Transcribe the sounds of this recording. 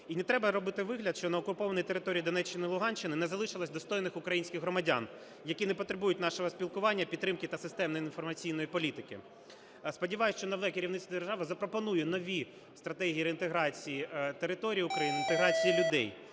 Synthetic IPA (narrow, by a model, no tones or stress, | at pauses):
inɛt̪ɾɛbɐɾɔbɪt̪ɪʋɪɦlʲɐd̪ʃt͡ʃɔnɐɔkʊpɔʋɐnijt̪eɾɪt̪ɔɾʲijːd̪ɔnɛt͡ʃːɪnɪilˠʊɦɑnʲt͡ʃːɪnɪnɛzɐlˠɪʃɪlˠɐsʲd̪ɔst̪ɔjnɪxʊkɾɐjinʲsʲkʲɪxɦɾɔmɐdʲa̰n | jɐkʲinɛpɔt̪ɾebujʊtʲnɑʃɔɦɔsʲpʲilˠkʊʋɑnʲːɐpʲid̪̚ɾɪmkɪt̪ɐsɪst̪ɛmnɔjinfɔrmɐt͡sʲijn̪ɔjipɔlʲit̪ɪkɪ̰ | spɔdʲiʋɑjʊst͡ʃɔnɐʋ̪ɛkʲɪɾʲiʋwnɪt̪d̪erʒɑʋɪzɐpɾɔpɔnujʊnɔʋʲi | st̪ɾɐt̪ɛɦʲijːɾeint̪eɦɾɑt͡sʲijit̪eɾɪt̪ɔɾʲijiʊkɾɐjinɪnt̪eɦɾɑt͡sʲijilʲʊd̪ɛ̰j